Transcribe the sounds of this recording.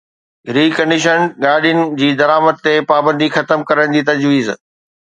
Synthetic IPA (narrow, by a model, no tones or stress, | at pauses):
ɾiːkɐ̃ɳɖɪʃənɠaːɖijənɪ̆d͡ʑiːd̪ɐɾaːmət̪t̪epaːbə̃nd̪ixɐt̪əmkɐɾəɽ̃d͡ʑiːt̪ɐd͡ʑʋiːz